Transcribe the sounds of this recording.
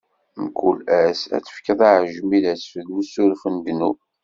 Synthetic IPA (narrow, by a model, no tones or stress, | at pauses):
mkulæsæ̰t͡sːə̥fkəðˤaʕəʒmilæsfəðusuɾfənd̪nu